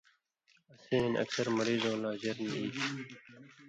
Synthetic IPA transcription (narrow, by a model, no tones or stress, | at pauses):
ɐsiːnʔɐ̰ksʌɾmɐɾiːzõːlaːd͡ʑɐɾniiː